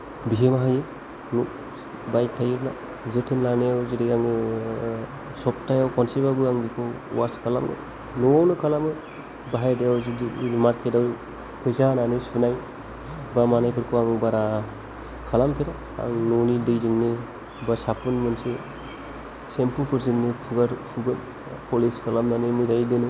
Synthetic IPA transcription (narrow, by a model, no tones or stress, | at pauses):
biɦemaɦajɯ | nu | baj̚tʰajɯɾna | zetʰɯnlaneawziɾiaŋɯ | sɔptajawkʰɔnsibabɯaŋbikʰɯ̰ | waskʰalamnɯ̰ | nuawnɯkʰalamɯ | baɦajdejawzidimaɾkʰedaw | pʰɯjzananɯsunaj | bamanajpʰɯɾkʰuaŋbaɾa | kʰalampʰeɾa | a̰ŋnɔnidɯjzɯŋnɯ | basapʰunmɯnsɯ | sempupʰɯɾziŋnɯpʰuɡaɾpʰuɡɯn | pʰɔliskʰalamnanɯmɯjzajdɯnɯ